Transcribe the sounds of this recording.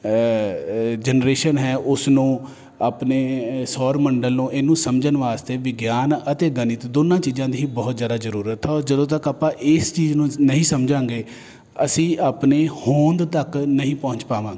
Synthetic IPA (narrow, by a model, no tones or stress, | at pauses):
d͡ʒənɾeːʃənɦɛːʔʊsnũː | aːpneːsɔːɾməɳɖəlnũːʔɪːnũːsəmd͡ʒənʋaːst̪eːʋɪɡjaːnət̪eːɡənɪt̪d̪oːnãːt͡ʃiːzãːd̪iːɦiːbɔːt̪zjaːd̪aːzəɾuːɾət̪ʰːɾd͡ʒəd̪õːt̪əkaːpãːʔɪst͡ʃiːznũːnəɦĩːsəmd͡ʒãːŋɡeː | əsĩːʔaːpneːhõːnd̪t̪əknəɦĩːpɔ̃ːɲt͡ʃpaːʋãːɡeː